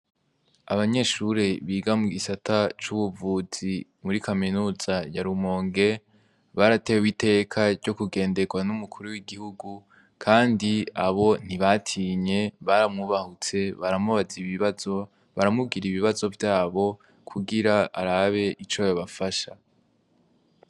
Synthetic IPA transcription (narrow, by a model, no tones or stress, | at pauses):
a̰βaɲe̞ːʃuɾeβiːɡamuɡisatʰat͡ʃuβuvuːz̥imuɾikʰaminuːz̥ajaɾumoːŋɡe̞ | βaɾatewite̞kʰaɾɟo̞kuɡe̞ːnde̞ɡwanumukʰuɾuwiɡihuɡu | kʰaːndiaβo̞n̥iβatʰiːɲe̞βaɾamŋuβahut͡se̞βaɾamŋuβaziβiβazo̞ | βaɾamub̚ɡiɾiβiβazo̞vjaːβo̞ | kʰuɡiɾaa̰ɾaβe̞ʔit͡ʃojoβafaʃa